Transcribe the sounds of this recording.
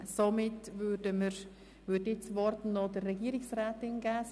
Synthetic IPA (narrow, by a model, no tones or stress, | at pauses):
somɪtvøːdəməɾ | vøːdɪt͡svɔrtnnːɔdərːɛɡiːəɾɪksɾaːtɪnɡæːs